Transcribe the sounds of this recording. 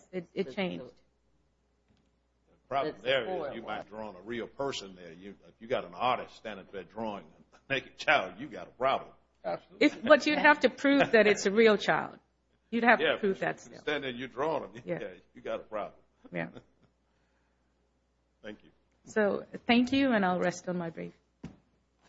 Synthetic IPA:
ɪɾɨt̚t͡ʃʰẽɪ̃nd͡ʒd̥ | pʰɹ̥ɑb̃mðə˞jɨmaɪt̚d̥ɹɔə̃nəɹil̩ˠpʰɜ˞sɨ̃nðə˞jɨɪfjɨɡɑɾ̃nɑɾɨststæ̃ndə̃tbɛdɹɔɪ̃ŋɨ̃ | meɪkɨt͡ʃʰaɪlˠdjɨɡɑ̰ɾəpʰɹ̥ɑblə̃m | æ̥ɪfbʌt͡ʃɨd̚ɦæftɨpʰɹ̥ʉvðɨɾɨtsɨɹilˠt͡ʃʰaɪlˠd̥̚ | jɨd̚hæfjɨpɹ̥ʉvðɨ̰tsɪ̰lˠtæ̃ndɨjɨdɹɔə̃nə̃mjææjɨɡɑɾəpʰɹ̥ɑ̰bləmjæ̰ | θæ̃ŋkjʉ | soʊθæ̃ŋkjʉɨ̃ñaɪlˠɹɛstn̩maɪbɹif

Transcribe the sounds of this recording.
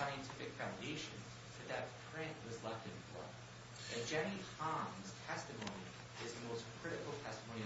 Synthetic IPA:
aɪɨ̃ntʰɪfɨkfãʊ̃ndeɪʃɨ̰̃n | fɨ˞ðɨt̚pʰɹ̥ɪ̃nʔwʌzlɛftɨ̃nflʌ̰ | ɨd̥ʒ̥ænihɑ̃mz̥tʰɛstɨmõʊ̃ni | ɪzðɨmoʊskʰɹ̥ɪɾɨkl̩ˠtʰɛstəmõʊni

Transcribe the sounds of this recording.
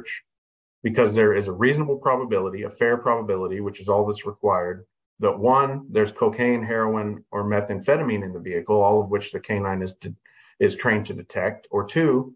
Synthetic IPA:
t͡ʃ | b̥ɨkʰʌzðə˞ɪzəɹiznəbl̩ˠpʰɹ̥ɑbəbɪlˠəɾiɨfɛɹpʰɹ̥ɑbəbɪlˠəɾiwɨt͡ʃɨzɔlˠðɪsɹɨkʰw̥aɪə˞d̪̚ | ðəʔ̚wʌ̃nðə˞z̥kʰoʊkʰẽɪ̃nɦɛɹoʊə̃nə˞mɛθɨ̃nfɛɾɨmĩnɨ̃nðɨviɨkl̩ˠɔlˠʌvwɨt͡ʃðɨkʰẽɪ̃nãɪ̃nɨz | ɪz̥tʰɹ̥ẽɪ̃ntʰɨdɨtʰɛk̚tə˞tʰʉ

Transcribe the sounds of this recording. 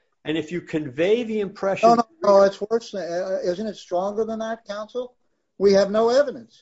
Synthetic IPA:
ʔɨ̃nɨfjɨkʰɨ̃nveɪðiɨ̃mpʰɹ̥ɛʃoʊnoʊnoʊɨtswɜ˞sɪzɨ̃ñtɨtstɹ̥ɔ̃ŋɡə˞ðə̃nðɨt̚kʰãʊ̃nsl̩ˠ | wiɨvnoʊɛvɨɾɨ̃ns

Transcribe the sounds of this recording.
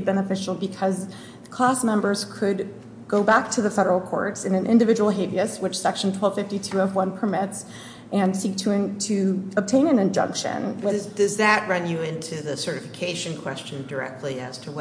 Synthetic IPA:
bɛnɨfɪʃl̩ˠbɨkʰʌz | kʰl̥æsmɛ̃mbə˞z̥kʰɨd̚ | ɡ̥oʊbæk̚tʰɨðɨfɛɾə˞l̩ˠkʰɔ̰ɹtsɨ̃nɨ̃nʔɪ̰̃ndɨvɪd͡ʒəwl̩ˠɦeɪviɨswət͡ʃsɛkʃn̩tʰw̥ɛlˠv̥fɪftitʰʉə̃nwʌ̃npʰə˞mɪts | ʔɨ̃nsik̚tʰɨ̃tʰɨəb̚tʰẽɪ̃nɨ̃nɨ̃nd͡ʒʌ̰̃ŋkʃɨ̰̃nwɪd̥ʌzðɨʔ̚ɹʌ̃njɨɪ̃ntʰʉðɨsɜ˞ɾɨfɨkʰeɪʃɨ̃nkʰw̥ɛst͡ʃɨ̃n̩də˞ɛ̰k̚tʰˡliɨ̰z̥tʰəw

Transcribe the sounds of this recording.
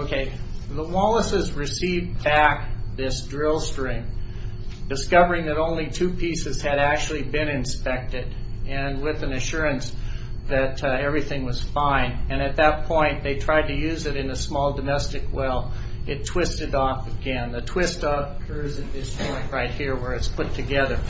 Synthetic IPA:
oʊkʰeɪðəwɑlˠəsɨzɹɨsivbæk̚ðɪsdɹɪlˠstɹ̥ɪ̃ŋ | dɨskʌvə˞ɪ̃ŋðɨɾõʊ̃nlitʰʉpʰisɨz̥ɨɾæk̚t͡ʃʉl̩ˠibɪ̃nɨ̃nspɛk̚tɪɾ | ɨ̃nwɪðɨ̃nɨʃʊɹɨ̃ns | ðɨtɛvɹiθɪ̃ŋwʌz̥fãɪ̃nɨ̃ñɨt̪̚ðɨt̚pʰɔ̃ɪ̃nðeɪtʰɹ̥aɪd̚tɨjʉzɨɾɨ̃nɨsmɔlˠdɨmɛstɨkwɛlˠɨtʰw̥ɪstɨɾɔfəɡɛ̃nðɨtʰw̥ɪstʌp̚kʰɜ˞zɨt̪̚ðɪstɔ̃ɪ̃kɹaɪt̚hiɹwə˞ɨtspʰʊtʰɨɡɛðə˞

